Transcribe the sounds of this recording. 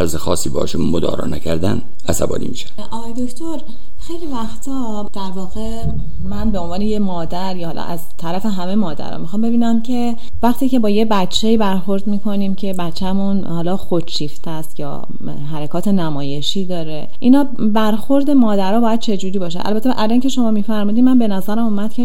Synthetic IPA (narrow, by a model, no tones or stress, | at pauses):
æɾzexɒːsːiːbɒːʃunmod̪ɒ̰ːɾɒ̰ːnæ̰kʰæɾd̪æn | æsæ̰bɒ̰ːnḭːmiːʃæ | ʔɒːɣɒjed̪oct̪ʰoɾ | xejlivæxt̪ʰɒ | d̪̥æɾvɒːɣe̞ | mænbe̞o̞nvɒːnejemɒːd̪æɾjɒhɒːlɒ̰ʔæzt̪ʰæɾæfe̞ɦæme̞mɒːd̪æ̰ɾɒ̰mixɒːmbe̞biːnæmcʰe̞ | væxt̪iːce̞bɒːje̞bæt͡ʃʰːeiːbæɾxo̞ɾd̪miːkʰo̞niːmcʰe̞bæt͡ʃʰːæmunhɒːlɒːxot͡ʃʰiːft̪ʰæst̪jɒ̰ː | ɦæɾekʰɒːt̪ʰe̞næmɒːje̞ʃiːd̪ɒːɾe̞ | ʔinɒː | bæɾxo̞ɾd̪e̞mɒːd̪æɾɒːbɒːjæd̪̚t͡ʃʰe̞d͡ʒuːɾiːbɒːʃ̬æ̰ʔæ̰lbæt̪ʰeʔælincʰe̞ʃo̞mɒːmiːfæɾmuːd̪imænbe̞næzæɾæmumæd̪̚cʰe̞